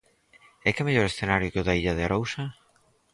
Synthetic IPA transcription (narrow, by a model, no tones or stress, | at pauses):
ɛkɛmeʎoɾesθenaɾjʊkeʊðaiʎaðeaɾowsɐ